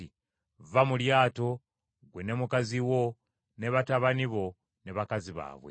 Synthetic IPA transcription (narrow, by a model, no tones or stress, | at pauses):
i | vamuljaːto̞ | ɡwene̞mukaziwo̞ | ne̞βataβaniβo̞ | neβakaziβa̰ːβwḛ